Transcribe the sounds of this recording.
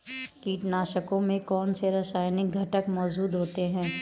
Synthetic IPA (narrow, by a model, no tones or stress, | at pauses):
kiːʈnaːʃəkõmẽkɔːnseɾɐsaːjnɪɡʱɐʈəkmɔːd͡ʒuːd̪ɦoːt̪eɦɛ̃ː